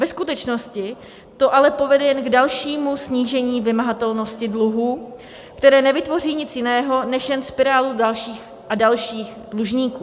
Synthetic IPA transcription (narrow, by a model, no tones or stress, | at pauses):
vɛskut̪ɛt͡ʃno̞scɪ | t̪o̞ʔalɛpo̞vɛdɛjɛnɡdalʃiːmusɲiːʒɛɲiːvɪmaɦat̪ɛlno̞scɪdluɦuː | kt̪ɛɾɛːnɛvɪt̪vo̞riːɲɪt͡sjɪnɛːɦo̞nɛʃjɛnspɪɾaːludalʃiːx | ʔadalʃiːxdluʒɲiːkuː